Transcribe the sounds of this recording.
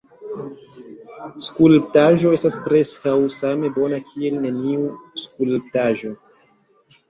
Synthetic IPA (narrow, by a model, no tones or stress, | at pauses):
skulp̚taʒo̞e̞staspɾe̞skawsame̞bo̞nakʰie̞lne̞niuskulp̚taʒo̞